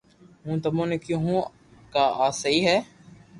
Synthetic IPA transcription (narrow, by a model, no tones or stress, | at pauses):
ɦũːt̪əmõːneːkjõːɦũː | kaːaːsəiːɦɛː